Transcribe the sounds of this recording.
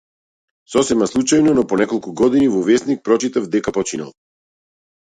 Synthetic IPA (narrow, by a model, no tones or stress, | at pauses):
sɔsɛmaslˠut͡ʃajnɔnɔpɔnɛkɔlˠkuɡɔd̪inivɔvɛsnik̚pɾɔt͡ʃit̪avd̪ɛkapɔt͡ʃina̰lˠ